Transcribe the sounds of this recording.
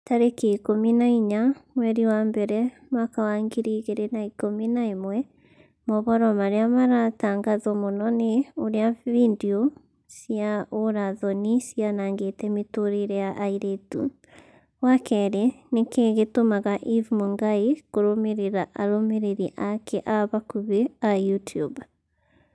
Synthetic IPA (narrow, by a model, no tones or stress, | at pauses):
taɾekekominaiɲamwɛɾiwaːmbɛɾɛ | makawaŋɡiɾiɣeɾenaikominaemwɛ | mɔβɔɾɔmaɾeamaɾataːŋɡaðɔmonɔneoɾeavindio | siaoɾaðɔnisianaŋɡetɛmitoɾeɾɛjaʔaiɾetṵ | wakɛɾenekeɣetomaɣaʔivmoŋɡaikoɾomeɾeɾaʔaɾomeɾeɾiʔakʰɛʔaβakuβeajutʰiub